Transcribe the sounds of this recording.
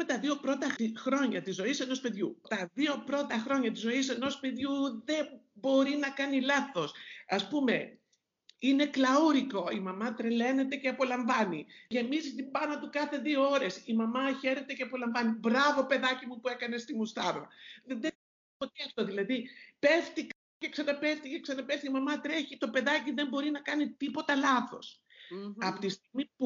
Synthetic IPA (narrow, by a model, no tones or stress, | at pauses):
met̪ɐðio̞pɾo̞t̪ɐxɾo̞ɲɐt̪izo̞ise̞no̞spe̞ðʝut̪ɐðio̞pɾo̞t̪ɐxɾo̞ɲɐt̪izo̞ise̞no̞spe̞ðʝuðe̞bo̞ɾinɐkɐnilɐθo̞sɐspume̞ | ine̞klɐuɾiko̞imɐmɐt̪ɾele̞ne̞t̪e̞ceɐpo̞lɐɱvɐniʝemizt̪ipɐnot̪ukɐθe̞ðio̞o̞ɾe̞simɐmɐçe̞ɾe̞t̪e̞ceɐpo̞lɐɱvɐnibɾɐvo̞pe̞ðɐcimupue̞kɐne̞st̪imust̪ɐɾɾɐ̰ðeðe | toceɐft̪oðilɐðipe̞ft̪ikɐ | ce̞ksɐnɐpe̞ft̪iceksɐnɐpefθiimɐmɐt̪ɾe̞çit̪o̞pe̞ðɐciðe̞mbo̞ɾinɐkɐnit̪ipo̞t̪ɐlɐθo̞s | ɐpot̪ist̪iɣmipu